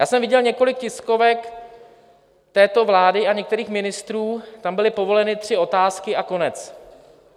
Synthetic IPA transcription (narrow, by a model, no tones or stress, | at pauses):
jaːsɛmvɪɟɛlɲɛko̞lɪk̚cɪsko̞vɛk | t̪ɛːt̪o̞vlaːdɪaɲɛkt̪ɛɾiːxmɪnɪst̪ɾuːt̪ambɪlɪpo̞vo̞lɛnɪt̪r̝̥ɪo̞t̪aːskɪako̞nɛt͡s